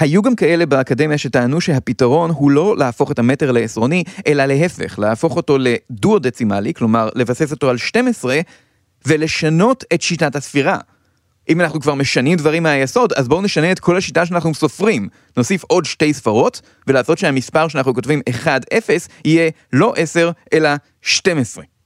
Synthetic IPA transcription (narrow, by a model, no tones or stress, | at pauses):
hajuɡamkae̞le̞baakade̞mjaʃe̞taːnuʃeɦapitaʁo̞nɦulo̞leafo̞χe̞thame̞te̞ʁleːsʁo̞niʔe̞lale̞ɦe̞fe̞̰χleafo̞χo̞to̞le̞duodet͡simaliklo̞maʁle̞vase̞s̬o̞toalʃte̞mesʁe̞ | vele̞ʃano̞te̞tʃitathasfiʁa | ʔimanaχnukvaʁme̞ʃanimdvaʁimeajeso̞dazboune̞ʃane̞ːtkʰo̞lhaʃitaʃ̬eanaχnuso̞fʁim | no̞sifo̞dʃte̞jsfaʁo̞t | velaːso̞tʃeamispaʁʃeanaχnuko̞tvime̞χadefe̞shije̞lo̞ʔese̞ʁʔe̞la | ʃte̞mesʁe̞